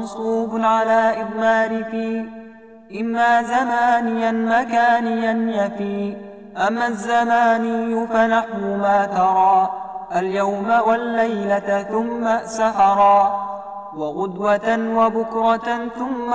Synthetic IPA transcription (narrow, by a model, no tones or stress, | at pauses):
nsˤuːbʊʕalaːʔɪd̪naːɾɪfiː | ʔɪmːaːzamaːnɪjanmakaːnɪjanjafiː | ʔamːazːamaːnɪjːʊfanaħnʊmaːt̪ɑɾˤɑːʔaljawmawalːajlaθʊmːasahɑɾˤɑː | wɑɣʊd̪wat̪wabʊkɾɑθʊmː